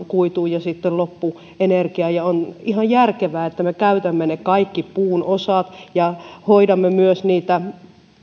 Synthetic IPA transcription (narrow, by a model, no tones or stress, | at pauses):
kuit̪uːjɑsit̪ːellopːu | enerkiɑjɑonihɑjjærkeʋæːet̪ːæmekæyt̪æmːenekɑikːipuːnosɑt̪jɑhoidɑmːemyøsniːt̪æ